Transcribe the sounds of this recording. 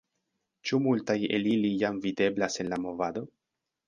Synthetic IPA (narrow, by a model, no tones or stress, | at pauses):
t͡ʃumultajelilijamvide̞blase̞nlamo̞vad̪o̞